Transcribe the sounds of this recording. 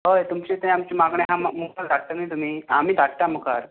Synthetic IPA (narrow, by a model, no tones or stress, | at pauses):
ɦojt̪umt͡ɕet̪ə̃amt͡ɕimaɡɳẽɦãmmuklad̪ʱaɽ̚t̪ənəit̪um̤iːam̤iːd̪ʱaɽʈ̪aməka̰ɾ